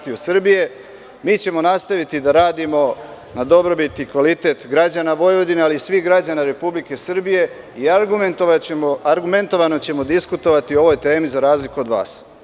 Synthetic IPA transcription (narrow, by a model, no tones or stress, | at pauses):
t̪iusr̩bije̞ | miːt͡ɕe̞mo̞nast̪aʋit̪id̪aɾaːd̪imo̞ | nad̪o̞bɾo̞bit̪nikʋalit̪e̞t̪ɡɾad͡ʑanaʋo̞jʋo̞d̪inealiːsʋiɣɡɾad͡ʑanaɾe̞publike̞sr̩bije̞ | iaɡu | aɾɡume̞nt̪o̞ʋano̞t͡ɕe̞mo̞d̪iskut̪o̞ʋat̪io̞ʋo̞jt̪e̞ːmizaɾaːzlikuo̞d̪ʋa̰ːs